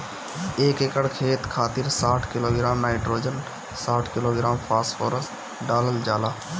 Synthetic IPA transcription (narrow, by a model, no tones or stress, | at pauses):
eːkekəɽkʰeːt̪kʰaːt̪ɪɾsaːʈʰkɪloːɡɾaːmnaːɪʈɾoːd͡ʒən | saːʈʰkɪloːɡɾaːmpʰaːsʈfʰoːɾəst | ɖaːləld͡ʒaːlaː